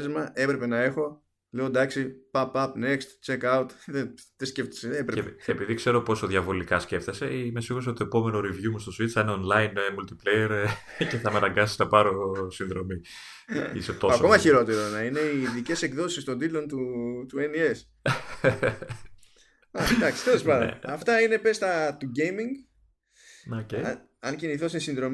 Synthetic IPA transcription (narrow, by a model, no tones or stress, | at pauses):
zmɐe̞pɾe̞pe̞nɐe̞xo̞ | le̞o̞d̪ɐksipɐpɐpne̞kst̪t͡ʃekɐut̪ðeðesceft̪i̥seepɾeeːpiðikse̞ɾo̞po̞soðjɐvo̞likɐsce̞ft̪ese̞ime̞siɣus̬eot̪oepo̞me̞noɾivʝumust̪o̞sit̪sineonlɐinmult̪iplejeɾ | ce̞θɐmɐnɐŋɡɐsi̥snɐpɐɾo̞sinðɾo̞mi | iset̪o̞sakomɐçiɾo̞t̪e̞ɾo̞nɐine̞iːðice̞se̞ɡðo̞sist̪o̞nd̪it̪lo̞nt̪ut̪ue̞nie̞s | ɐd̪ɐksi̥t̪elespɐndḛɐft̪ɐine̞pe̞st̪ɐt̪uɟejmiŋɡ | oce | ɐnciniθosesĩnðɾo̞m